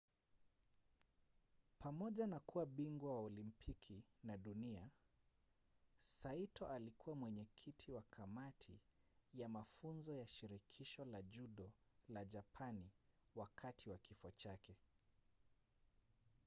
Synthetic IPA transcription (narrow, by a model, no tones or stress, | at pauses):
pamɔʄanakuwaɓiŋɡwawaɔlimpʰikʰinaɗunia | saitʰɔʔalikuwamwɛɲɛkʰitʰiwakʰamatʰijamafunzɔjaʃiɾikʰiʃɔlaʄuɗɔlaʄapʰaniwakʰatʰiwakifɔt͡ʃakɛ